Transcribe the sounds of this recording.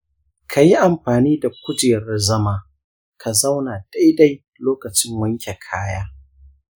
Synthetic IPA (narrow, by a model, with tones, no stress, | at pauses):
kʰa˨ji˦ʔa˨mɸaː˨niː˦da˨kʷʊ˦d͡ʒeː˨ɾɐ˦zɐ˦maː˨ | kʰa˨za˦wna˨d̥a˦jda˦j | loː˦kɐ˨t͡ʃɪ˦mwɐ˦ŋkʲe˨kʰaː˦jaː˦